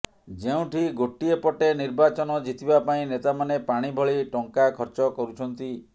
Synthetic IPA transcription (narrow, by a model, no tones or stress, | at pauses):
d͡ʒeũʈʰiɡoʈiepɔʈeniɾbat͡ʃɔnɔd͡ʒit̪ibapaĩnet̪amanepaɽ̃ibʱɔɭiʈɔŋkakʰɔɾt͡ʃɔkɔɾut͡ʃʰɔnt̪i